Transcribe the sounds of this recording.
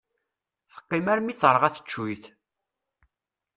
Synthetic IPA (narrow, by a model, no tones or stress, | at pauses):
θə̥qːimæɾmiθɾˤəʁæθə̥t͡ʃːujθ